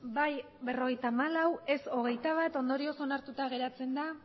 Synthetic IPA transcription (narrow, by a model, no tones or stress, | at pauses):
baj | be̞ro̞ɣe̞jt̪aːmalawe̞so̞ɣ̞e̞jt̪aβ̞at̪o̞nd̪o̞ɾio̞sonaɾt̪ut̪aɣ̞e̞ɾat͡se̞nd̪a